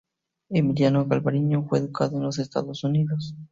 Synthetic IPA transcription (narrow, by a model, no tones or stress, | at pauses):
emiljanoɣalβaɾiɲofweðukaðoenlos̬est̪a̰ðosuniðos